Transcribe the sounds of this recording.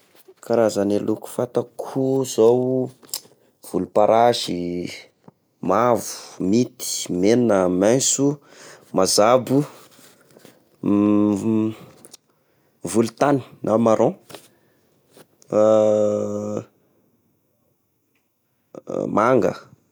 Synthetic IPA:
kaɾazaneluku̥fat̪akʰuz̥ow | v̥ulupaɾʔaʒi | mavu̥mit̪i̥meninəmajsu | mazabu | vulut̪ani̥nʔamaɾõ | maŋɡə̰

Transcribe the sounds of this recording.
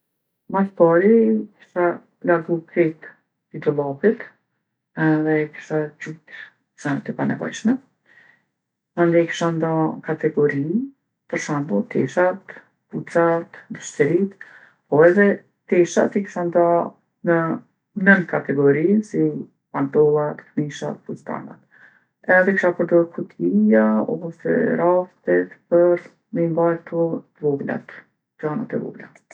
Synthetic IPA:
maspaɾiki̥ʃt̪a | laɾɡukɾɛt̪ | did̪ɔlapit̪ | ɛðɛki̥ʃt̪at͡ʃut̪ɾ | sant̪əpanɛ̰vɔ̰jʃmɛ | ɛnd̪ɛki̥ʃand̪akat̪ɛɡɔɾin | pəɾʃambut̪ɛʃat̪ | put͡sat̪d̪uʃt̪ɛɾit̪ | pɔɛðɛ | t̪ɛʃa̰t̪iki̥ʃand̪a | nə | nən̚kat̪ɛɡɔɾisi | pant̪ɔlˠat̪kmiʃa̰t̪fust̪a̰na̰t̪ | ɛðɛkʃakəɾd̪ɔɾkʰut̪ʰijaɔsɛ̰ɾaft̪ɛt̪pəɾ | mimbajɾt̪ɔvɔɡla̰t̪ | d͡ʒana̰t̪ɛvɔ̰ɡla̰t̪

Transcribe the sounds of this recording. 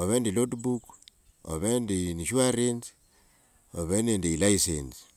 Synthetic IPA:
oβendilodbuk | o̰βendiniʃuaɾens | oβenendelaisḛns

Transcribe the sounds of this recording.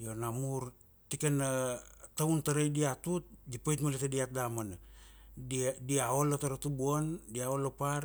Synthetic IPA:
jonamuɾ | tikanatauntaɾajdiatut̚ɡipojtmaletadiat̚damanadidiaolataɾatubuondiaolapar

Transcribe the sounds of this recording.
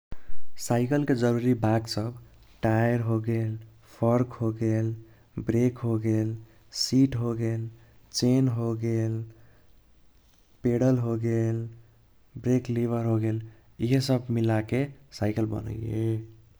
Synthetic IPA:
saɪkəlked͡ʒəɾuɾibʱaɡsʌb | ʈajɾɦoɡel | pʰʌɾkɦoɡel | bɾekɦoɡel | siʈɦoɡel | t͡ʃenɦoɡel | peɽəlɦoɡel | bɾekliβəɾɦoɡel | iɦesʌbmilakesaɪkəlbʌ̰nə̰je

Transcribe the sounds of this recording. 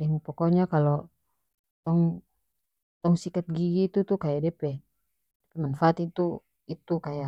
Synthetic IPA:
dɛmupɔkɔɲakalɔ | t̪ɔŋ | t̪ɔŋsikat̪̚ɡiɡiːt̪ut̪ukajadɛpɛ | dɛpɛmanfaːt̪it̪u | it̪ukaja

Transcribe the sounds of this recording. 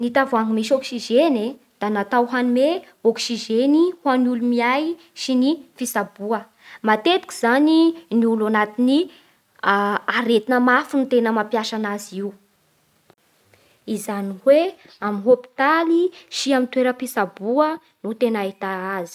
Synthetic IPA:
nit̪avaŋimiʃɔksiʒene | d̪̥anat̪awɦanume | oksiʒenihwanulumiaj | ʃinifisabuə | mat̪et̪i̥ki̥zaniniulanat̪ini | aɾet̪inəmafinit̪enəmapjaʃanaziu | izanihwe | aminɦopi̥t̪aliʃiamint̪weɾəpisabuə | nut̪enait̪aazi̥

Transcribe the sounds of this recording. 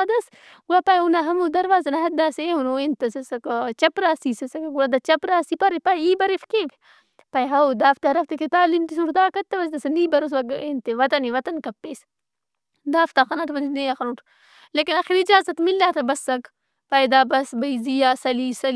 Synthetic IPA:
d̪ɐs | ɡulapajunaɦɐmud̪ɐɾʋaːzɐnɐɦɐd̪aːseːɦunoːent̪ɐsɐsɐkt͡ʃɐpɾaːsiːsɐsɐkɡulad̪ɐt͡ʃɐpɾaːsiːpɐɾipɐjiːbɐɾifkeʋ | pɐiɦɐod̪aːft̪aɾɐft̪eket̪aːlimt̪isuɾd̪aːkɐt̪ːɐʋɐzt̪ɐsɐniːbɐɾos̬ʋɐɡeːnt̪eʋɐt̪ɐniʋɐt̪ɐnkɐpːeːs | d̪aːft̪axɐnaʈʋɐd̪inejaxɐnuːʈʰ | leːkinɐxiɾid͡ʒaːzɐt̪milːaːt̪ʰɐbɐsɐk | pɐjd̪aːbɐsbɐizijaːsɐliːsɐl

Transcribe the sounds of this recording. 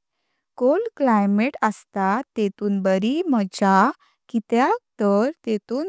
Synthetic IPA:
kolklajmeʈəst̪at̪et̪uːnbəɾiməd͡ʑa | kit̪jak̚t̪əɾt̪et̪uːn

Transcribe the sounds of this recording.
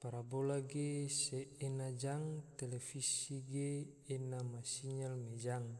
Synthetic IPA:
paɾabolaɡeseenad͡ʒaŋt̪ɛlɛfisiɡeː | namasiɲalmed͡ʒaŋ

